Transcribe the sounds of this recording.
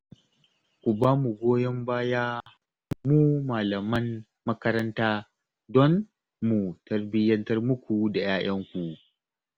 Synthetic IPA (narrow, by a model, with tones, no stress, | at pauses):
kʷu˨baː˦mu˨ɡʷoː˦jɐ˦mbaː˦jaː˦ | muː˦maː˨lɐ˨mɐ˦nː | ɐ˦kɐ˦ɾɐ˦ntaː˦ | dɔ˦n | mu˨tɐ˨rbɪ˦jɐ˦ntɐ˦rmʊ˦kʷu˨da˨jaː˦j̰ɐ˦ŋkʷu˨ʔ